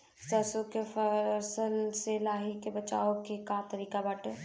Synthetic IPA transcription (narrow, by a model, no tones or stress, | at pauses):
səsõkefəsəlselaːɦikebɐt͡ʃa̰ːokekãːt̪ɐɾiːkabaːʈeː